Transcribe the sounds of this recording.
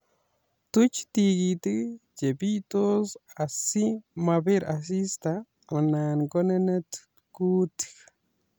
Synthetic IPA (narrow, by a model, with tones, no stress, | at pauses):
t̪u˦t͡ʃt̪i˧ɡi˧t̪ɨ˦d͡ʒe˨bi˦jt̪o˦sa˨si˦ma˧be˦ɾa˨s̬i˦st̪a˧˨ | ma˨na˨nɡo˦ne˦ne˦t̪ | ku˦t̪i̥